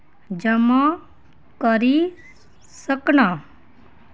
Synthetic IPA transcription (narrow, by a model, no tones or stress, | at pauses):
d͡ʒəma | kəɾi | səkna